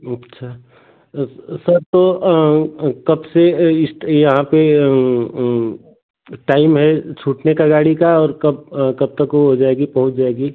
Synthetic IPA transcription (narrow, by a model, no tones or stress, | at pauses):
ɐtːʃʰaː | sɐɾt̪o | kɐbseɪsjɐɦãpe | ʈaːɪmɦɛt͡ʃʰuːʈnekaɡaːɽikaɔːɾkɐb̚kɐb̚t̪ɐkoɦod͡ʒaːeɡipɐɦʊt͡ʃd͡ʒaːeːɡi